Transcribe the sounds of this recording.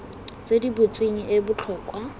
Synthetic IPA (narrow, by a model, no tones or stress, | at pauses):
t͡sʼedibʊt͡sʼwiŋ̩ʔebʊt͡ɬʰɔːkʼwa